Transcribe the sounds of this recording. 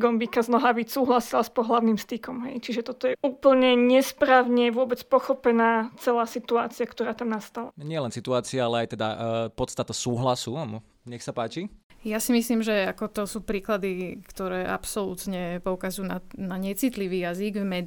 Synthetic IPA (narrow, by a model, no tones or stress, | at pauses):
ɡɔmbikaznɔɦaːbisuːɦlasilaspɔɦlaʊnimst̪ikɔmɦɛ̰jt͡ʃiʒɛt̪ɔt̪ɔjɛuːpl̩ɲɛɲɛspɾaːʊɲɛʋʊɔbɛt͡spɔxɔpɛnaːt͡sɛlaːsit̪ua̰ːt͡siakt̪ɔɾaːt̪amnast̪ala̰ɲɪɛlɛnsit̪uaːt͡siaalɛajt̪ɛd̪a̰pɔt̪st̪at̪asuːɦlasum | ɲɛxsapaːt͡ʃi | jasimisliːmʒɛakɔt̪ɔsuːpɾiːklad̪ikt̪ɔɾɛːʔa̰psɔlṵːt̪ɲɛpɔukazujunanaɲɛt͡sit̪liʋiːjaziɡvmɛ